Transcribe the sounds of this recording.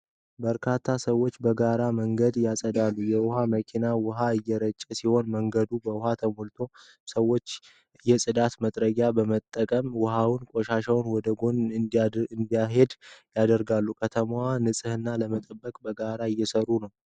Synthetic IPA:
bəɾkʰat̪ʰːasəwːo̞t͡ʃːbəɡaɾaməŋɡəd̪jasʼəd̪alːujɛwʊhaməkʰinawʊɦaɨjːɛɾət͡ʃʼːɛsiho̞nməŋɡəd̪ubəwʊɦat̪ʰəmolt̪ʰo̞ | səwːo̞t͡ʃː | jɛsʼɨd̪at̪mət̪ʼɾəɡabəmət̪ʼːəkʼəmwʊɦawnkʼo̞ʃaʃawnwɔd̪əɡo̞n | ɨnd̪ijaɦe̞d̪jad̪əɾɡalːukʰət̪ʰəmwanɨsʼɨhɨnːaləmət̪ʼəbːəkʼbəɡaɾaɨjːɛsəɾːunəw

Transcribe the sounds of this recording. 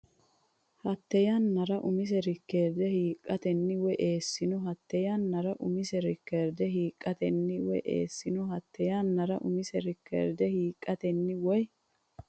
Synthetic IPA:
hɐt̪ːɛjanːɐɾɐʔʊmɪs̬ɛɾɪkːeːɾd̪ɛhiːkʼːɐt̪ɛnːɪwɛʔeːsːɪnʊɦɐt̪ːɛjanːɐɾɐʔʊmɪsɛɾɪkːeːɾd̪ɛɦiːkʼːɐt̪ɛnːɪwɛ̰ʔḛːsːɪnʊhɐt̪ːɛjanːɐɾɐʔʊmɪsɛɾɪkːḛːɾd̪ɛhiːkʼːɐt̪ɛnːɪwɔj

